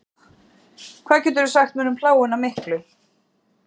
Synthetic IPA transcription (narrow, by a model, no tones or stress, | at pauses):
kʰvaːðcʰɛt̪̬ɛɾʏsaxt̪̚mɛːnʏmpʰlaːwʏnamɪhklʏ